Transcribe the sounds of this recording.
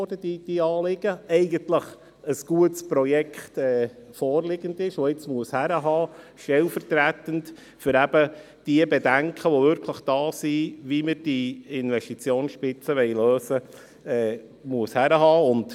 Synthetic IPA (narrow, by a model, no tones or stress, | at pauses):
ɾd̥əd̥id̥iɑːlɪɡ̥əɛɪɡəntləχ | əsɡ̥uətspɾɔjɛkχtɛːfɔːɾlɪɡəndɪʃʋoɪt͡smuəshæɾəɦɑːʃtɛlfəɾtɾæt̪ənt | fʏɾæb̥ə | d̥iəbɛdæŋkʰəʋoʋʏɾkʰləχd̥ɑːsiʋiməd̥iɪnʋɛsʃtit͡sjoːnsʃpɪt͡səʋɛɪløːsə | ɛː | muəshæɾəɦɑːʊnt